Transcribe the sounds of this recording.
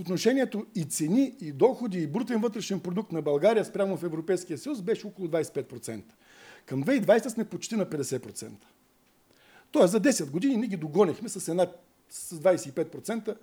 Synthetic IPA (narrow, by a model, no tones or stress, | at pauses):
ot̪noʃɛnʲiɛt̪oit̪sɛniid̪ɔxod̪iːbɾut̪ɛnvɤt̪ɾɛʃɛnpɾod̪uk̚t̪nɐbɐlˠɡaɾijəspɾʲamofɛvɾopɛjskijəsəjusbɛʃɛɔkolˠʊd̪vajsɛ̥pɛt̪̚pɾot̪sɛnt̪ə̥ | kɐmd̪vɛid̪vajst̪əsmɛpot͡ʃt̪inɐpɛd̪ɛsɛpɾot̪sɛ̰nt̪ə̥ | t̪ɔəszɐd̪ɛsɛt̪ɡod̪ininiɛɡʲid̪oɡɔnʲixmɛsɐsɛnat̪ | sɐzd̪vajsɛipɛt̪̚pɾot̪sɛnt̪ə